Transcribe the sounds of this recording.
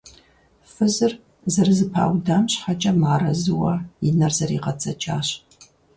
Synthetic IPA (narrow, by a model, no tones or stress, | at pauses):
fɨzɨr | zɐrɨzɨpʰa̰ːwdɐmɕħat͡ʃʼɐmaːɾɐzɨwɐjɪnɐrzɐɾḭːqɐt͡sʼɐt͡ʃʼaːɕ